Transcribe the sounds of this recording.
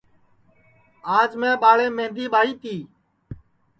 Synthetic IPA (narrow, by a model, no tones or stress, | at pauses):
aːd͡ʒmẽːɓaːɭeːmẽːnd̪iːɓaːɽiːt̪iː